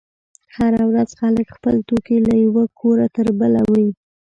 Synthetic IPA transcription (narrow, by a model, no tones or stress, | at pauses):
haɾawɾaz̥xaləkxpəlt̪okilajawakʰoɾat̪əɾbəlawi